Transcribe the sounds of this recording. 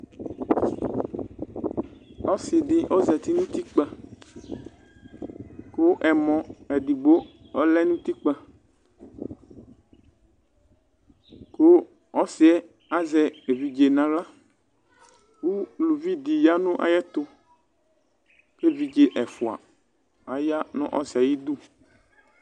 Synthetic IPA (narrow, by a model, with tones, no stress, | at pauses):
ɔ˦si˨di˦ʔo˦zɛ˨t̪i˦nũ˦t̪i˦k͡pə˦ | ko˦ʔɛ˨mɔ̃˨ɛ˨di˨bo˦ɔ˦lɛ˦nũ˦t̪i˦k͡pə˦ | ko˦ | ɔ˦sɪ˨ɛ˦ | a˦zɛ˨e˨vi˨d͡ʒe˨nã˨ɣa˦ | wu˦lu˨vi˦d̪i˨ja˦nʊ̃˦ʔa̰˨jɛ˦t̪ʊ˦ | ke˦vi˨d͡ʒe˨ʔɛ˨fu˨a̰˨ | a˨ja˦nʊ̰̃˦ʔɔ̰˦sa˨ji˦d̪u˦